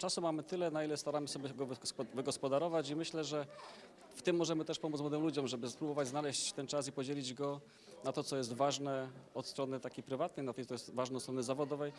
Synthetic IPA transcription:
t͡ʂasumamɘt̪ɘlɛnailɛst̪aɾamɘsɔbʲɛɡɔvvɘɡɔspɔd̪aɾɔvat͡ɕimɘɕlɛʐɛ | ft̪ɘmːɔʐɛmɘt̪ɛʂpɔmut̪mwɔd̪ɘmlud͡ʑɔmʐɛbɘspɾubɔvad͡ʑznalɛɕt͡ɕt̪ɛnt͡ʂas̬ipɔd͡ʑelʲid͡ʑɡɔ | nat̪ɔt̪sɔjɛst̪vaʐnɛɔt̪st̪ɾɔnɘt̪akʲejpɾɘvat̪nɛjnat̪ɛj̪ɔjɛst̪vaʐnɛɔt̪st̪ɾɔnɘzavɔd̪ɔvɛj

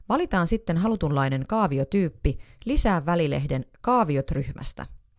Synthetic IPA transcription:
ʋɑlit̪ɑːnsit̪ːe̞nɦɑlut̪unlɑjne̞ŋkɑːʋio̞t̪yːpːilisæːʋːælile̞hde̞nkɑːʋio̞t̪ryçmʔæ̰st̪æ̰

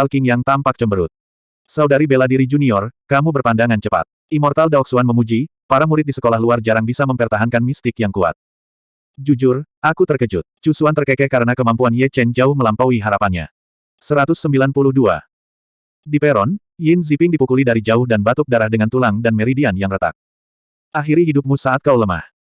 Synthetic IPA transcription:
alkɪŋjaŋt̪ampak̚t͡ʃəmbəɾʊt̪̚ | saudaɾibeladiɾid͡ʒuniɔrkamubərpandaŋant͡ʃəpa̰t̪̚ | imɔrt̪aldaɔk̚suanməmud͡ʒipaɾamuɾɪt̪̚disə̥kolaɦluard͡ʒaɾaŋbisaməmpərt̪aɦankanmist̪ɪkjaŋkua̰t̪̚ | d͡ʒud͡ʒʊrʔakut̪ərkəd͡ʒʊt̪̚t͡ʃusuant̪ərkɛkɛkaɾənakəmampuanjɛt͡ʃɛnd͡ʒaʊhməlampawiɦaɾapanɲa̰ | səɾat̪ʊsːəmbilanpulʊhdua̰ | dipɛɾɔn | jɪnzipɪŋdipukulidaɾid͡ʒaʊhdanbat̪ʊk̚daɾahdəŋant̪ulaŋdanmɛɾidianjaŋrət̪a̰k̚ | ʔaɦiɾiɦidup̚musaːt̪̚kauləma̰h

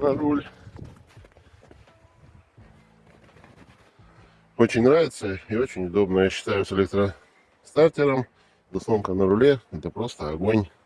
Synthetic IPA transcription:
nɐɾulʲ | o̞t͡ɕɪnʲnɾavʲɪt̪səɪo̞t͡ɕɪnʲʊd̪o̞bnəjaɕːɪ̥t̪ajʊsʲelʲek̚t̪ɾə | st̪artʲɪɾəm | d̪ɐsonkənəɾʊlʲeɛt̪əpɾo̞st̪əɐɡonʲ

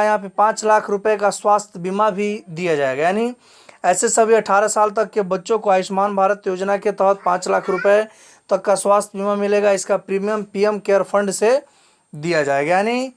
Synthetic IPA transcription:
jɐɦãp̬epãːt͡ʃlaːkʰɾʊpekaswaːst̪ʰjbimabʱid̪ijad͡ʒaːeɡajaːni | ɛːsesəbʱiəʈʰaːɾasaːlt̪̬əkːebətːʃõkoaːɪʃmaːnbʱaːɾət̪joːd͡ʒnaket̪əɦt̪̚pãːt͡ʃlaːkʰɾʊpe | t̪əkːaswaːst̪ʰbimamɪleɡaɪskapɾiːmijəmpijəmkeːəɾpʰə̃ɳɖse | d̪ijad͡ʒaːeɡajani

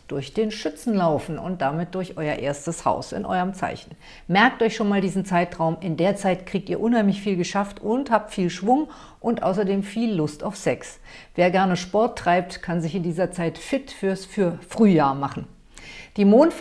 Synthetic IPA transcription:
d̥ʊɐçd̥eːnʃʏt͡sn̩laʊfn̩ʊ̰nt̚d̥amɪt̚d̥ʊɐçʔɔʏɐʔeːɐstəsha̰ʊsɪ̰nʔɔ̰ʏʁəmt͡sa̰ɪçn̩ | mɛɐk̚tʔɔɪçʃoːnmaːldiːzn̩t͡saɪtʁ̥aʊmʔɪndeːɐt͡saɪtkʁ̥iːk̚tiːɐʔʊnhaɪmlɪçfiːlɡəʃaftʊnthaːp̚tfiːlʃv̥ʊŋ | ʔʊntʔa̰ʊsɐdeːmfiːlːʊstaʊfsɛks | veːɐɡɛɐnəʃpɔɐtːʁ̥aɪp̚tkʰanzɪçɪndiːzɐt͡saɪtfɪtfyːɐsfyːɐfʁ̥yːjaːɐmaχn̩ | d̥iːmoːnt

